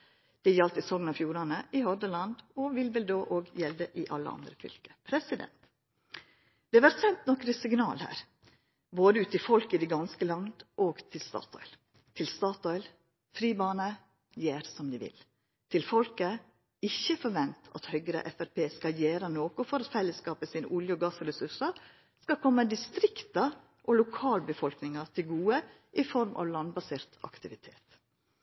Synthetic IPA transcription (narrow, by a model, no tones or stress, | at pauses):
d̪̥ɛjɛlt̪ɪsɔŋnɑfjuːɾɑnəʔɪhɔɾd̪əlɑnd̪ɔʋɪlʋɛld̪oːʔoːɡjɛld̪əʔɪʔɑ̰lːə̰ɑ̰nd̪ɾəfʏ̰lkə̥pʰɾɛsɪd̪ɛ̰nt̪ | d̪̥ɛʋæɾt̪sɛnt̪nɔkɾəsɪŋnɑ̰ːlhæ̰ːɾ | boːd̪əʉːt̪ɪfɔlkɪd̪iɡɑnskəlɑŋd̪ʔoːɡt̪ʰɪlst̪ɑ̰ːt̪ʰɔ̰ʏl | t̪ʰɪlst̪ɑːt̪ɔʏl | fɾiːbɑːnə | jeːɾsɔmd̪iʋɪ̰l | t̪ʰɪlfɔlkə | ɪçːəfɔɾʋɛnt̪ʰɑ̰t̪hœɡɾə̰ʔɛfæɾpeːskɑjeːɾənoːkʊfɔɾɑt̪fɛlːəskɑːpəsiːnəʔʊljəɡɑːsɾɛsʉʂɑɾ | skɑkʰɔmːəd̪ɪst̪ɾɪkt̪ɑ | ʔɔlʊkʰɑːlbəfɔlknɪŋɑt̪ʰɪlɡuːə | ʔɪfɔɾmʔɑ̰ʋlɑnbɑseːɾt̪ɑ̰kt̪ɪʋɪt̪ʰḛːt̪